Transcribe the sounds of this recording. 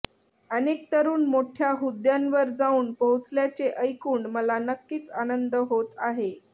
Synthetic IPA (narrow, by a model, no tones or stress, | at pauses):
ənek̚t̪əɾuːnmoʈʰjaɦud̪janʋəɾd͡zauːnpəɦut͡sljat͡seʔəjkuːɳməlanəkːiːt͡sanənd̪əɦot̪aɦe